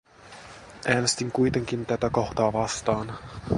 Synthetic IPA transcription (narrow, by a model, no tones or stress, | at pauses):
ʔæːne̞st̪iŋkujt̪e̞ŋk̟int̪æt̪æko̞xt̪ɑːʋɑst̪ɑːn